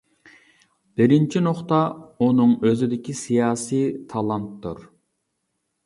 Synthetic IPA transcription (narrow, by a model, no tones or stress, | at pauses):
b̥ɪɾɪnt͡ʃʰinoχt̪ɑunɨŋøzɪd̪ɪkʲisijɑːsijt̪ʰɑlˠɑnt̪ːṵɾ